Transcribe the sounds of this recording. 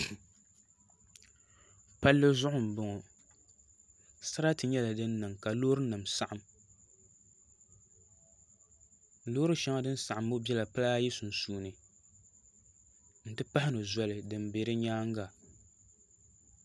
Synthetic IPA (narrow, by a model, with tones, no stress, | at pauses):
pa˦lːɨ˦zʊ˦ʔʊ˨m˨bʊ˦ŋɔ˨ | sa˦ɾa˦tɨ˨ɲɛ˦la˨dɨ˦nːɨ˨ŋka˨loː˦ɾɨ˦nɨ˨msa˨ʔa˨m | loː˦ɾɨ˦ʃɛ˦ma˦dɨ˦n˦sa˨ʔa˨mbʊ˦bɛ˦la˨pa˦la˦ji˦su˨n˨suː˨nɨ˨ | n̩˨tɨ˦pa˦hɪ˦nɨ˨zɔ˦lɨ˨dɨ˨m˦beː˨˦ɾɨ˦ɲaː˦ŋ˦ɡa˨